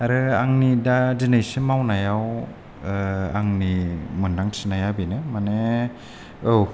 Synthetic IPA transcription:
aɾɯaŋnidadinajsimawnajaw | aŋnimɯndaŋsʰinajabinɯmane | ow

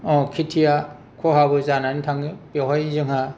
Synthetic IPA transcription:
ɔ̃kʰitʰija | kʰɔɦabɯzananitʰaŋipeɦajzɯŋa

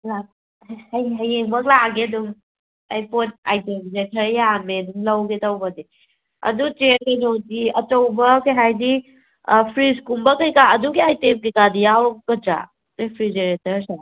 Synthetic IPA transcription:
la | hɐjɦɐjeŋbɐklaɡeduŋ | ajpot̚a̰jtemɡzekʰɐɾejameduŋlɐwɡetawbɐdi | ɐ̰dut͡ʃeɾkɐjnodiɐt͡ʃɐwbɐkɐjɦajdi | pʰɾiskumbɐkɐjkaɐduɡiajtemkikadijawkɐd͡ʒa̰ | ɾepʰɾid͡ʒeɾetɐɾsa

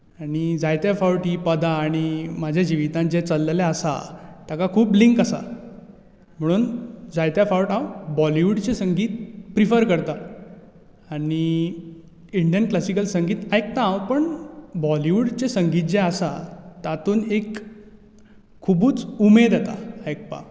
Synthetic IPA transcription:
aɽ̃id͡zajt̪jafawʈiːpəd̪ʱaːɽ̃imad͡ʑʱjad͡ʑiʋit̪ãnd͡ʑet͡səlːlaəsa̰t̪jakakʰuːpliŋkasa̰ | m̤əɽ̃uːnd͡zajt̪jafawʈãwbɔliʋuɽt͡ɕesəŋɡiːt̪pɾifəɾkəɾt̪a | aɽ̃i | iɳɖijənklasikəlsəŋɡiːt̪ajk̚t̪ãːwpəɳbɔliʋuɽt͡ɕesəŋɡiːt̪̚d͡ʑẽəsat̪at̪uːnek | ubuːt͡sumed̪ʱat̪a̰ajk̚pa̰

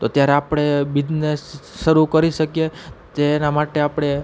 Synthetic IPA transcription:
t̪ot̪jaɾeapɽ̃ebid̪nesːəɾukəɾiʃəkjet̪enamaʈeapɽ̃e

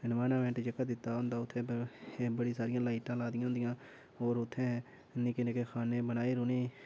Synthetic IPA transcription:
nʋaːnaːʋɛ̃ːɳʈd͡ʒəkːəd̪ɪt̪ːaːɦʊ̃nd̪aːʊt̪ʰːẽːbəɽiːsaːɾɪjãːlaːɪʈãːlaːd̪ɪjãːɦnd̪ɪjãː | oːɾʊt̪ʰːẽː | nːĩːkɪneːkexʰaːneːbənaːeːɾʊneː

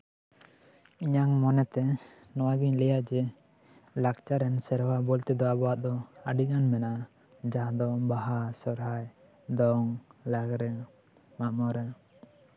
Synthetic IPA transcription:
iɲaŋmɔnɛt̪ɛ | nɔwaɡiɲlɛjaʔd͡ʒɛ | lakt͡ʃaɾɛnsɛɾwabɔlt̪ɛd̪ɔabɔaʔ̪̚d̪ɔaɖiɡanmɛnaʔa | d͡ʒaɦd̪ɔbaɦasɔɾɦaj | d̪ɔŋlaɡɾɛ | mamɔɾɛ

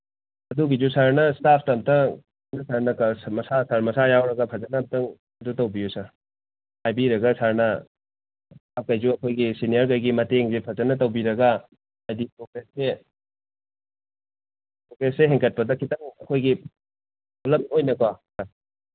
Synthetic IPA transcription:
ɐdubid͡ʒusaɾnɐstapʰtɐmtɐ | nɐsʰaɾnɐkɐsmɐsasaɾmɐsajawɾɐɡɐpʰɐzɐnɐmtɐŋ | ɐdutɐwbijusaɾ | hajbiɾɐɡɐsaɾnɐ | akɐjzuɐkʰojɡisinijɐɾɡɐjɡimɐteŋzepʰɐzɐnɐtɐwbiɾɐɡɐ | ajdipɾoɡɾesːe | pɾokɾesːeɦeŋkɐt̚pɐdɐkʰitɐŋɐ̰kʰojɡi | bulɐmojnɐkwasa

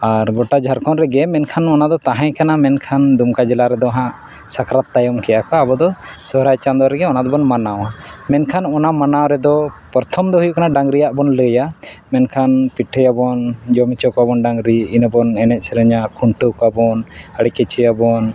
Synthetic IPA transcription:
aɾɡɔʈad͡ʒʱaɾkʰɔnɾɛɡɛmɛnkʰanɔnad̪ɔt̪aɦãjkanamɛnkʰand̪umkad͡ʒɛlaɾɛd̪ɔaɦãʔ | sakɾat̪ːajɔmkɛjakɔabɔd̪ɔsɔɦɾajt͡ʃand̪ɔɾɛɡɛɔnad̪ɔbɔnmanaw̃amɛnkʰanɔnamanawɾɛd̪ɔpəɾt̪ʰɔmd̪ɔɦujuʔkanaɖaŋɡɾijaʔbɔnləjamɛnkʰanpiʈʰəjabɔnd͡ʒɔmit͡ʃɔkɔabɔnɖaŋɡɾiinəbɔnɛnɛt̪̚sɛɾəɲakʰuɳʈəkɔabɔnəɽikɛt͡ʃɛjabɔn

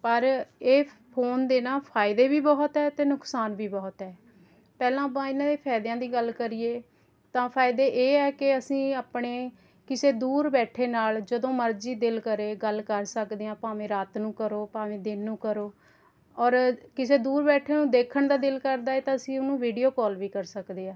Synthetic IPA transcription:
pəɾeː | pʰoːnd̪eːnãːpʰaːɪd̪eːbiːbɔːt̪ɦɛːt̪eːnʊksaːnbiːbɔːt̪ɦɛː | pɛːlãːpãːɪnãːd̪eːpʰɛːd̪jãːd̪iːɡəlkəɾieː | t̪ãːpʰaːɪd̪eːʔeːɛːkɪəsĩːaːpɳeː | kɪseːd̪uːɾbɛːʈʰeːnaːld͡ʒəd̪õːməɾd͡ʒiːd̪ɪlkəɾeːɡəlkɡəɾsəkd̪eːãːpaːʋẽːɾaːt̪nũːkəɾoːpaːʋẽːd̪ɪnːũːkəɾoː | ɔːɾkɪseːd̪uːɾbɛːʈʰeːnũːd̪eːkʰəɳd̪aːd̪ɪlkəɾd̪aːɛːt̪ãːəsĩːʊnũːʋiːɖijoːkɔːlʋiːkəɾsəkd̪eːaː

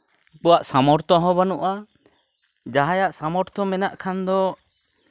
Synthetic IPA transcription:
puwaʔsamɔɾt̪ɔɦɔ̃banuʔa | d͡ʒaɦajaʔsamɔɾt̪ɔmɛnaʔkʰand̪ɔ

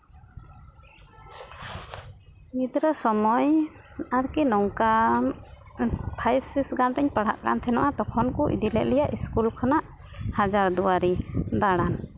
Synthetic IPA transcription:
mid̪ɾəsɔmɔjaɾkɛnɔŋka | pʰajbsiksɡanɾɛɲpaɽ̤a̰ʔka̰nt̪ʰɛnaʔat̪ɔkʰɔnkɔʔḭd̪ilɛ̰ʔ̪lɛjaʔiskulkʰanaʔ | had͡ʒaɾd̪uaɾid̪aɽan

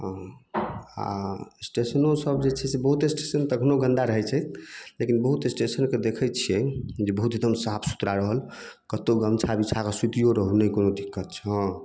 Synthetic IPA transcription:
ɦ | a̰sʈesənosəbd͡ʒet͡ʃʰɛsebəɦut̪esʈesənt̪əɡʱənoɡə̃nd̪aɾəɦɛt͡ʃʰɛlekinbəɦut̪esʈesənked̪ekʰɛt͡ʃʰijɛd͡ʒebəɦut̪ed̪əmsapʰsu̥t̪ɾaɾəɦəl | kət̪oɡəmt͡ʃʰabit͡ʃʰakasut̪ijoɾəɦunəikonod̪ikːət̪̚t͡ʃʰɦɔ̃

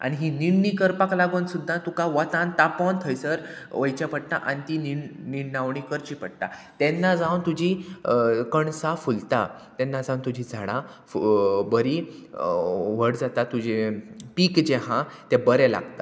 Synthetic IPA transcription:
a̰niɦiniɽnikəɾpaklaɡonsud̪ʱːãt̪ukaʋət̪ãnt̪apɔnt̪ʰəjsəɾ | ʋəjt͡ɕapəɽ̚t̪aʔa̰nit̪ininiɽnaʋɳikəɾt͡ɕipəɽt̪at̪ɛnːad͡zawnt̪ud͡ʑi | kəɳsafult̪at̪ɛnːad͡zãwnt̪ud͡ʑʱid͡zʱaɽ̃ã | bəɾi | ʋ̤əɽd͡zat̪at̪ːud͡ʑepiːkd͡ʑɛɦãt̪ɛbəɾɛla̰ɡt̪a

